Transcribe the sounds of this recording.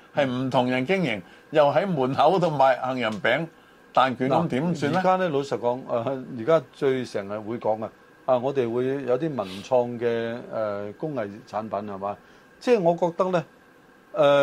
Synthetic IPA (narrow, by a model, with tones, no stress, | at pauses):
hɐ˨jm̩˨˩t̪ʰʊ˨˩ŋjɐ˨˩nkɪ˥ŋjɪ˨˩ŋ | jɐ˨wɦɐ˨˥jmuː˨˩nhɐ˨˥wt̪ʰʊ˨˩ŋmaː˨˩jhɐ˨ŋjɐ˨˩npɛː˨˥ŋ | t̪aː˨nkyː˨˧nkɐ˨˥mt̪iː˨˥msyː˧in˨ɛ˥˨kaː˥nɛː˥lo˨˧wsɐ˨˩kɔː˨˥ŋa˧jiː˨˩kaː˥t͡ʃɵ˧ɥsɛː˨˩ŋhɐ˨wuː˨˧jkɔː˨˥ŋɐ˧ | aː˧ŋɔː˨˧t̪e˨jwuː˨˧jjɐ˨˧wt̪iː˥mɐ˨˩nt͡sʰɔː˧ŋkɛː˧ɛ˨˧˩kʊ˥ŋhɐ˨jt͡sʰaː˨˥npɐ˨˥nhɐ˨˩maː˨˧˦ | t͡sɛː˥˧˩ŋɔː˨˧kɔː˧k̚t̪ɐ˥k̚lɛ˥ | ɛː˨˧